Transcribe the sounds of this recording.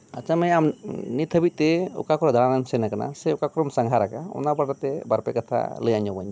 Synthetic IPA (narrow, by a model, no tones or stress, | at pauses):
at͡ʃʰamɛjamnit̪ʰəbit̪̚t̪ɛṵkakɔɾɔd̪ʱaɽanamsɛnakana̰sɛukakɾɔmsaŋɦaɾakaɔ̰nabaʈat̪ɛbaɾpɛkat̪ʰa̰ləjaɲɔbaɲ